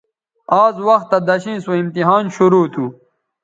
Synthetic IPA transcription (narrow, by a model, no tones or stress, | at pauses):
aːzwɐxt̪ːad̪ɐɕĩːsoimt̪iɦaːnɕuɾoːt̪ʰu